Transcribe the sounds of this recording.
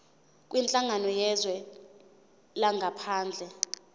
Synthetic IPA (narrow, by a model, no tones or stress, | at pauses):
kʼwint͡ɬʼaŋanɔjɛzwɛ | laŋɡʱapʰaːnd͡ɮʱɛ